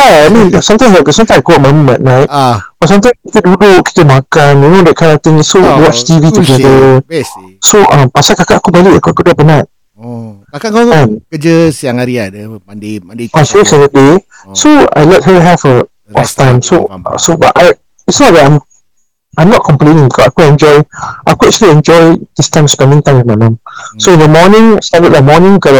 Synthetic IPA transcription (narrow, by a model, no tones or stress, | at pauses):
jaajmĩnsãmt̪ãj̃mswɛɡəsãmt̪ãmkuɔmãmmɛ̃t̚nãjtb̥atsãmt̪ãjmkit̪ədudʊk̚ki̥t̪əmãkãnjunodɛt̚kʰãat̪ɪ̃ŋsowɔt͡ʃt̪ivit̪uɡɛdə | soʔʌ̃mpasakakaʔakubaliʔakakudɛpənat̚ | ɛ̃nkəd͡ʒəsjaŋaɾia | afeksɔ̃ndəde | soa̰jlət̚həɦɛfə | ɔftãj̃mso̰soba̰taj | itsnɔt̚dɛtãɪ̃m | ʔãjmnɔt̚kʰɔ̃mplẽnĩŋbikɔsajkuɛ̃nd͡ʒɔjʔaɪkuɛk̚t͡ʃəliɛ̃nd͡ʒɔjd̥istãɪ̃mspɛ̃ndĩŋt̪ãɪ̃mĩmãmãmsoĩndəmɔnɪ̃ŋstadət̚lamɔnĩŋkɔla